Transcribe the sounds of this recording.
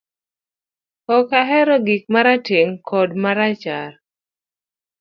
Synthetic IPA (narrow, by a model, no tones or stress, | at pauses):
kɔkaɦɛɾɔɡik̚maɾateŋkʰɔdmaɾat͡ʃar